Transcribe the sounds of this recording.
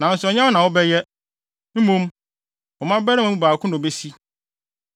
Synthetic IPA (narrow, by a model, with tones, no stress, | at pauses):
nã˨n̩˦sʊ˨ɔ˨ɲã˦ɔ˦nã˨ɔ˦bɛ˦jɛ˦ | m̩˦mũ˦m | ɔ˨mã˦bɛ˦ɾã˦mã˨u˦˨baː˨kʰʊ̃˦nʊ̃˨be˦si˦